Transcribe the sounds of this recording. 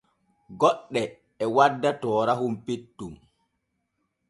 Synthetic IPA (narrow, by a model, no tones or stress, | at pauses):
ɡɔɗːɛ | ɛwadːatɔːɾahumpitːum